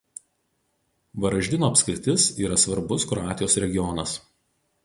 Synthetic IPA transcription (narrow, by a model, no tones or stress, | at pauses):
ʋɐɾɐʒʲd̪ʲɪnoːɐpʲsʲkʲɾʲɪt̪ʲɪsiːɾɐsʋɐɾbʊskɾɔɑːt̪ʲɪjoːsɾʲɛɡʲɪjɔnɐs